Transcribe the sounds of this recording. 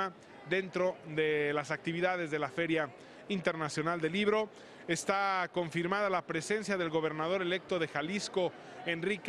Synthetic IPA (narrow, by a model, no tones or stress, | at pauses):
a | ðe̞nt̪ɾo̞ðe̞lasak̚t̪iβiðað̞e̞zðe̞lafe̞ɾja | int̪e̞ɾnasjo̞nald̪e̞liβɾo̞ | e̞st̪ako̞ɱfiɾmaðalapɾe̞se̞nsjaðe̞lɣo̞β̞e̞ɾnað̞o̞ɾe̞le̞k̚t̪o̞ðe̞xalisko̞ | e̞nrik